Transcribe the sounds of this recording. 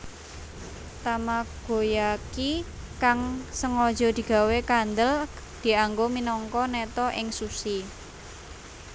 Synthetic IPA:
t̪amaɡ̥o̤jaki | kaŋsəŋɔd̥d͡ʒ̥ɔ̤d̪̥i̤ɡ̥a̤wekand̪əl | d̪̥i̤aŋɡominɔŋkɔnɛt̪ɔʔɪŋsusi

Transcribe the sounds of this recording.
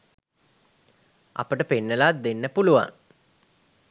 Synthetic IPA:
a̰pəʈəpenːəlat̪̚d̪enːəpuluʋa̰ŋ

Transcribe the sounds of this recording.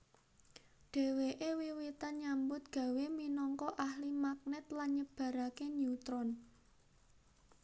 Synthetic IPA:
ɖ̥e̤weʔewiwit̪anɲambʊt̪̚ɡ̥ä̤weminɔŋkɔʔahlimak̚nɛt̪lanɲəb̥ä̤ɾakenut̪ɾɔn

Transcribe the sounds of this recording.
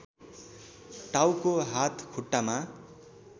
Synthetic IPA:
ʈawkoɦat̪ʰkʰuʈːama

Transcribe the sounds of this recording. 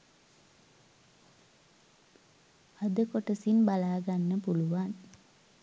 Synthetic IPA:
ad̪əkoʈəsinbalaːɡanːəpuluʋan

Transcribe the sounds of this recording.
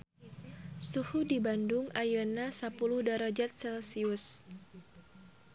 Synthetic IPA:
suhudibandʊŋajənasapuluhdaɾad͡ʒat̪̚sɛlsiʊs

